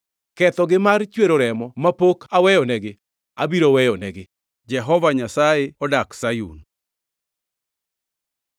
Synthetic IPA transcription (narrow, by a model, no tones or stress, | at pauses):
kɛt̪ɔɡɪmart͡ʃweɾoɾɛmɔmapokʰawɛjɔnɛɡɪ | abiɾowɛjɔnɛɡɪ | d͡ʒɛɦɔvaɲasajeɔdaksajṵn